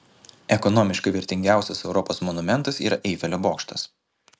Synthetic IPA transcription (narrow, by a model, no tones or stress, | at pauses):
ɛkɔnɔːmʲɪʃkɐɪʋʲɪɾʲt̪ʲɪŋʲɡʲæˑʊsʲɛsɛʊɾɔpoːsmɔnʊmʲɛnˑt̪ɐsḭːɾɐʔɛɪfʲɛlʲoboːkʃt̪ɐs